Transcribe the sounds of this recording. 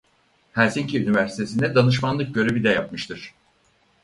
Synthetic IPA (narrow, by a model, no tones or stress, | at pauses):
hæɾsiɲcʰiynivæɾsi̥t̪ʰe̞sinɛd̪anɯʃ̬manlˠɯk̚ɟø̞ɾe̞vid̪ɛjap̚mɯʃt̪ʰɯɾ̝̥